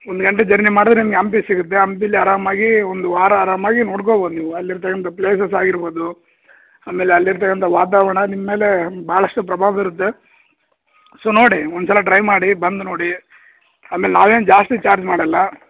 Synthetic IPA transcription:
ond̪uɡɐɳʈed͡ʒɐɾnimaːɽid̪ɾenimɐɡeɐmp̬isiɡut̪ːe̞ɐmpilːiaːɾaːmaːɡiond̪uaːɾaaːɾaːmaːɡino̞ːɽk̬oːboːd̪uniʋuɐlːiɾt̪̬ɐkːɐnt̪ɐpleːs̬ɐsaːɡiɾboːd̪u | aːme̞ːleɐlːiɾt̪̬ɐkːɐnt̪ɐʋaːt̪̬aːʋɐɳɐnimːɐme̞ːle̞baːɐɭɐsʂʈupɾɐbʱaːʋɐiɾut̪ːe̞ | soːno̞ːɽiond̪sɐlɐʈɾɐjmaːɽibɐnd̪uno̞ːɽi | aːme̞ːlenaːʋeːnud͡ʒaːsʈit͡ʃaːɾd͡ʒmaːɽɐlːɐ

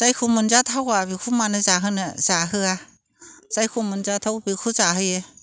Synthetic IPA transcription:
z̥ajkʰumɯnzatʰawabikʰumanɯzaɦɯnɯz̥aɦɯa | z̥ajkʰumɯnzatʰawbikʰuzaɦɯje

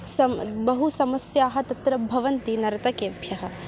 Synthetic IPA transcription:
sɐmbɐɦusɐmɐsjaːɦɐ̆t̪ɐt̪ɾɐbʱɐʋɐnt̪inɐɾɐt̪ɐkeːbʱjɐɦɐ̆

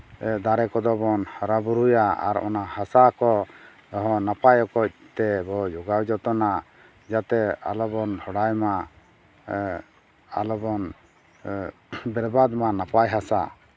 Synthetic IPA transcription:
d̪aɾɛkɔd̪ɔbɔnhaɾabuɾujaa̰ɾɔ̰nahasakɔ | ɔɦɔ̃napajɔkɔc̚ˀt̪ɛbɔd͡ʒɔɡawd͡ʒɔt̪ɔna | d͡ʒat̪ɛa̰lɔbɔnhɔɽajma | a̰lɔbɔn | bɛɾbad̪manapajɦasa̰

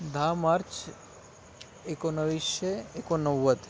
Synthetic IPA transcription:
d̪ʱamaɾt͡ʃ | ekonəʋiʃeekonəwːət̪

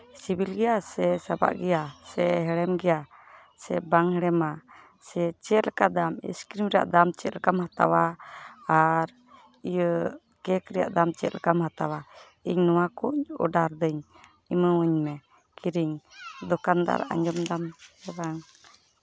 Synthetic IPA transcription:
sibilɡɛjasɛsaba̰ʔɡɛjasɛɦɛɽɛmɡɛja | sɛbaŋhɛɽɛma | sɛt͡ʃɛlkad̪amḭskɾimɾɛja̰ʔd̪amt͡ʃɛt̪lkamhat̪a̰waː | ɾ | ijə | kɛkɾɛja̰ʔd̪amt͡ʃɛt̪lkamhat̪awa | iɲnɔwakuɲɔ̰ɖaɾd̪əɲ | iməəɲmɛ | kiɾiŋd̪ɔkand̪a̰ɾa̰ʔa̰ɲd͡ʒɔmd̪amɛɾaŋ

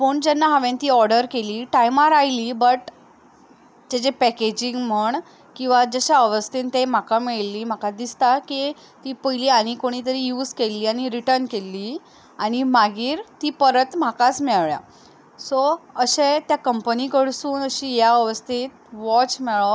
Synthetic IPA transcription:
fəɳd͡ʑɛnːaɦaʋẽnt̪iːɔɾɖəɾkeliːʈajmaɾajliːbəʈ | d͡ʑ̪ed͡ʑepɛked͡ʑiŋɡm̤əɳ | kĩw̃ʋad͡zəɕaəʋəst̪ent̪em̤akameɭliːm̤akad̪ist̪aki | t̪iːpəjliːaɽ̃ikoɽ̃iːt̪̬əɾiːjuːd͡zkelːiːaɽ̃iɾiʈəɾnkelːiː | aɽ̃imaɡiːɾt̪iːpəɾət̪m̤akat͡smɛɭɭja̰ | sɔəɕẽt̪jakəmpənikəɽsuːnəɕiːjaəʋəst̪ʰit̪̚ʋɔt͡ɕmɛɭɔ

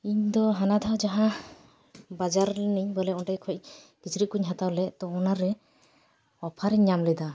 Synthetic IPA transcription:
iɲd̪ɔɦanad̪ʱawd͡ʒaɦã | bad͡ʒaɾniɲbɔlɛɔnʈajkʰɔjc̚ɡ̥isɾit̪̚kuɲɦat̪awlɛʔt̪ɔɔnaɾɛ | ɔpʰaɾɛɲːamlɛd̪a

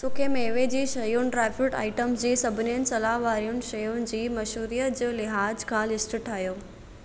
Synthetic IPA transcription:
sʊkʰemeːʋed͡ʑiːʃɐjʊnɪ̆ʈɾɛːfɪʈa̰ːɪʈəmsd͡ʑiːsɐbʱɪniənɪ̆sɐlaːʋaːɾiʊnɪ̆ʃɐjʊnɪ̆d͡ʑiːmɐʃuːɾijət̪d͡ʑoːlɪɦaːd͡ʑkʰãːlɪsʈɪʈʰaːɦjoː

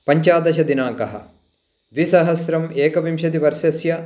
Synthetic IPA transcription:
pɐɲt͡ʃaːd̪ɐʃɐd̪inaːkɐɦɐ̰̆ | ʋisɐɦɐsɾɐmeːkɐʋimʃɐd̪iʋɐɾʃjɐsjɐ

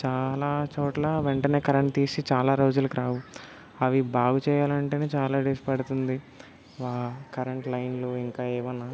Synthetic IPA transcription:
t͡ʃaːlaːt͡ʃoːʈlaʋeɳʈɐne̞ːkɐɾɐɳʈ̚t̪iːsit͡ʃaːlaːɾoːd͡ʒulɐkiɾaːʋu | ɐʋibaːɡut͡ʃɛːjaːlɐɳʈeneːt͡ʃaːlaːɖeːspɐɽut̪und̪i | ʋaːkɐɾeɳʈlɐjnloːiŋkaːeːʋɐnːaː

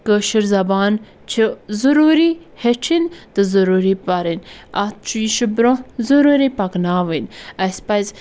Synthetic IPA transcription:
kəʃəɾzɐbaːn | t͡ʃʰizuɾuːɾihet͡ʃʰint̪ɨzɐɾuɾipaɾinat̪̚t͡ʃʰujiʃibɾõzuɾuːɾipɐknaːʋənɐspajz

